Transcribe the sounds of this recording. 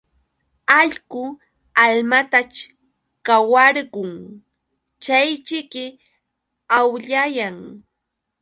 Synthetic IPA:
aʎɢʊ | almat̪at͡ʃ | kawaɾɢʊŋ | t͡ʃajt͡ʃɪkɪ | awʎajaŋ

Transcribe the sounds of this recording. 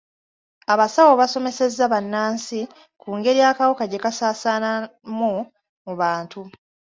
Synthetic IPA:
aβasawoβaso̞me̞se̞zːaβanːaːnsi | kuːŋɡe̞ɾijaːkawokaɟe̞kasaːsaːnamu | muβaːntu

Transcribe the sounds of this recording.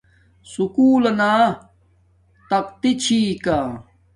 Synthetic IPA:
sukuːlɐna | t̪ɐq̚t̪it͡ɕʰiːka

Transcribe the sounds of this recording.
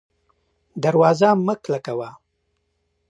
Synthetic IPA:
d̪aɾwɑːzaməklakawa

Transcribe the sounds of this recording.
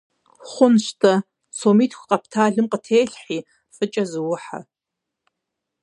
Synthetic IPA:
χʷʊnʃtʰɐ | somiːtʰkʷqʼɐpʰtʰaːɮɨmqʼətʰeːɬħi | fɨt͡ʃʼɐzɨwʊħa̰

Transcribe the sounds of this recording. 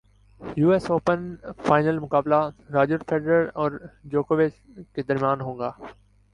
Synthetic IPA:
juːesoːpənfaːɪnəlmʊkaːblaɾaːd͡ʒəɾfʰeːɖɾəɾɔːɾd͡ʒoːkoːʋɪt͡ʃ | ked̪əɾmijaːnɦõːŋɡaː

